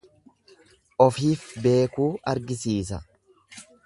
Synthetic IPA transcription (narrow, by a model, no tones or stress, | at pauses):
ʔɔfiːfbe̞ːkuːʔɐɾɡɪsiːs̬ɐ